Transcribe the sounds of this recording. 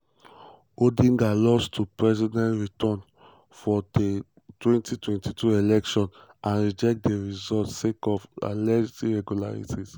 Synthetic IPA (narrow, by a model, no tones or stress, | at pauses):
odĩŋɡalɔstʰupɹɛzidɛ̃ntɹitʰɔ̃n | fɔde | twɛ̃ntitwɛ̃ntitʰuelɛkʃɔ̃n | ʔãnɹid͡ʒɛk̚tdeɹizɔltsekɔva̰lɛɹitiɹɛɡjula̰ɹḭtiz